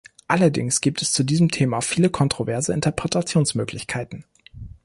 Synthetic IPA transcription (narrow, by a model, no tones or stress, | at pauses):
ʔalɐdɪ̰ŋsɡ̥iːp̚tʰɛst͡sudiːzəmtʰeːmafiːləkʰɔntʁ̥ovɛɐzəɪntɐpʁ̥ɛtʰat͡sjoːnsmøːklɪçkʰaɪtn̩